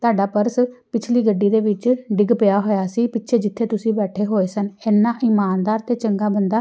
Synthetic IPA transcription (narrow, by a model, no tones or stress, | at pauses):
t̪aːɖaːpəɾspɪt͡ʃʰliːɡəɖːiːd̪eːʋɪt͡ʃɖɪɡpɪjaːɦoːjaːsiːpɪtːʃʰeːd͡ʒɪt̪ʰːeːt̪ʊsĩːbɛːʈʰeːɦoːeːsənɛːnːãːʔɪmaːnd̪aːɾt̪eːt͡ʃəŋɡaːbənd̪aː